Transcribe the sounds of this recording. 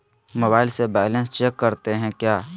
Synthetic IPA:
moːbaːɪlsebaːɪlə̃nst͡ʃeːkːəɾt̪eɦɛ̃kjaː

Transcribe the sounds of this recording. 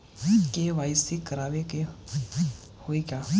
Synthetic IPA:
keʋaːisikəɾaːʋeke | hoikaː

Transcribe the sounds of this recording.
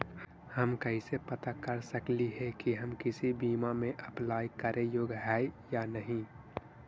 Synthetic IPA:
hɐmkɐĩsepɐt̪akɐɾsəkliɦɛkiɦɐmkɪsibiːmamẽʔɐplaːjkɐɾʔẽjoːɡɦɛːjaːnəɦĩ

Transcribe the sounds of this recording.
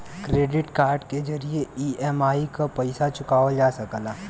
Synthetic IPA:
kɾeːɖɪʈkaːɾɖked͡ʒɐɾieiːʔɛmaːikapɐɪsat͡ʃʊkaːʋəd͡ʒaːsɐklaː

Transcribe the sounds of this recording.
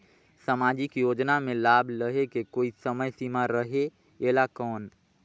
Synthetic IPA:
samaːd͡ʒɪkjoːd͡ʒnamẽlaːbʱləɦekekoːisəməjsimaɾəɦe | eːlakɔːn

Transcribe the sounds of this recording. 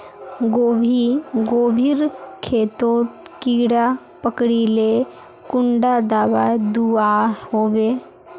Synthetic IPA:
ɡoːbʱiɡoːbʱiɾkʰeːt̪oːt̪kiːɽa | pəkɽile | kʊɳɖad̪aːbad̪uahoːbeː

